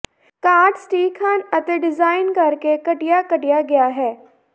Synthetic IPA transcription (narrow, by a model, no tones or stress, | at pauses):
kaːɾʈsʈiːkʰaːnɐt̪eɖɪzaːɪnkɐɾkekɐʈijakɐʈijaɡɐjaɦɛː